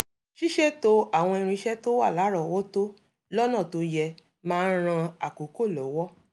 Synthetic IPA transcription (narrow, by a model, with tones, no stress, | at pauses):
ʃi˦ʃɛ˦˨to˦a˨w̃ɔ̃˧i˧ɾ̃ĩ˧ʃɛ˦to˦wa˦˨la˨˦ɾɔ˨wɔ˦to˦ | lɔ˦nã˦˨to˧jɛ˧ | mãː˦˧n̩˦ɾ̃ã˧a˨ko˨˦ko˦˨lɔ˨˦wɔ˦